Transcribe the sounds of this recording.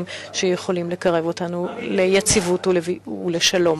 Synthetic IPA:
mʃejeχo̞limle̞kaʁe̞vo̞tanulejat͡sivutuleviːle̞ʃalo̞m

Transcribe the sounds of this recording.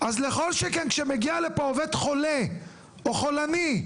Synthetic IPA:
ʔazleχo̞lʃekenkʃemeɡialepoovet̪χo̞le | oχo̞lani

